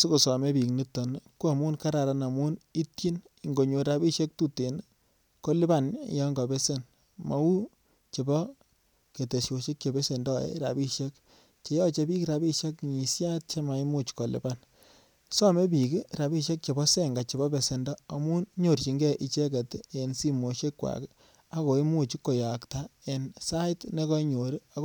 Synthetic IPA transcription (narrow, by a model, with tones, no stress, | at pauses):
su˦ko˨sɔ˨me˦pi˨kni˦tːɔ˨n˦ku˦a˨mu˦nka˦ɾa˨ɾa˨na˨mu˦ni˦tji˦n | i˨ŋɡo˨ɲo˨ɾa˦bi˦ʃe˦k̚tu˦te˨n | ko˦li˦ba˦˨n˦jɔ˦ŋɡa˨be˦se˦n | ma˨˦wu˦ | t͡ʃe˨bɔ˦ | ke˨te˨ʃo˨ʃi˦k̚t͡ʃe˨be˦se˨ndɔ˦ḛ˦ɾa̰˨bi˦ʃe˦k | t͡ʃe˨jɔ˦t͡ʃe˦bi˦kiɾa˨bi˦ʃe˦kɲi˨sja˦t̚t͡ʃe˦ma˨i˦mu˦t͡ʃko˨lḭ˨ba˦n | sɔ˦me˦p̬i˨ki˦ɾa˨bi˦ʃe˦k̚t͡ʃe˨bɔ˦se˦˨ŋɡa˨t͡ʃi˨bɔ˦be˨se˨ndɔː˦˨mu˦ɲo˦˨ɾt͡ʃi˨ŋɡe˦ʔi˨t͡ʃe˦ke˨te˨nsi˦mo˨ʃe˦kːwa̰˨k | a˦ko˨i˦mu˦t͡ʃi˦kːo˨ja˨kta˦e˨nsa˦ɪ˦tne˦kɔ˦ɲo˨ɾi˦a˨